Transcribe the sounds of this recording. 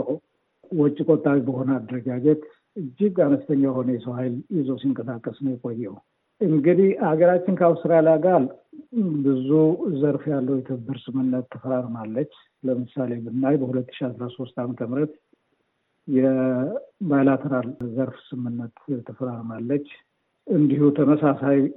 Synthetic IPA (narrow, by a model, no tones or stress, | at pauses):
wɔt͡ʃʼːikʼot̪ʼːawibəho̞nəad̪əɾəɡad͡ʒɛt̪ | ɨd͡ʒːɪɡanəst̪ʰəɲːajho̞nəjɛsəwhajlizəwsiŋkʼəsakʼːəsnəwjɛkʼojːɛw | ʔɨŋɡɨd̪ihhaɡəɾat͡ʃːɪnkʰawsɨɾalaɡal | bɨzuzəɾfjalːəwjɛt̪ʰɨbːɨɾsɨmɨnːət̪ʰːəfəɾaɾmalːət͡ʃː | ləmɨsalemɨnːajbəhulət̪ːɨ̥ʃiasɾaso̞st̪amət̪ʰəmɾət̪ | jɛ | bajlat̪ʰəɾalzəɾfsɨmhɨnːət̪ʰːəfəɾaɾmalːət͡ʃː | ɨnd̪ihut̪ʰəməsasaj